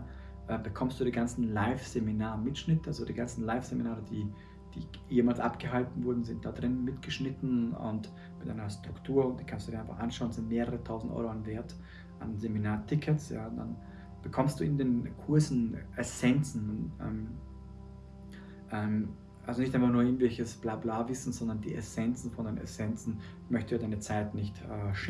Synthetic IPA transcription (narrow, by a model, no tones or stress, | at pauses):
ʔɛːbəkʰɔmstd̥uːdiːɡant͡sn̩laɪfz̥eminaːɐmɪtʃnɪtəalzodiːɡant͡sn̩laɪfz̥eminaːʁəd̥iː | d̥ḭː | jeːmaːlsʔa̰pɡ̥əɦaltn̩vʊɐdn̩zɪnt̚d̥aːdʁɪnəmɪtɡ̥əʃnɪtn̩ʊ̰nt | mɪtʔaɪnɐstʁ̥ʊktʰuːɐnd̥iːkʰanstudiːʔaɪnfa̰χʔa̰nʃaʊnzɪntmeːʁəʁətʰaʊzn̩tʔɔ̰ʏʁoanveːɐt | ʔa̰nzeminaːɐtʰɪkʰətsja̰ːd̥a̰n | b̥əkʰɔmst̚d̥uːɪndeːnkʰʊɐsn̩ʔɛsɛnt͡sn̩nʔɛ̰m | ʔɛm | ʔalzonɪçtʔaɪnfaχnuɐɪɡŋ̩tvɛlçəsb̥laːblaːvɪsn̩zɔndɐndiːʔɛ̰sɛnt͡sn̩fɔndeːnɛ̰sɛnt͡sn̩ | mœçtəjaːdaɪnət͡saɪtnɪçtʔɛːʃ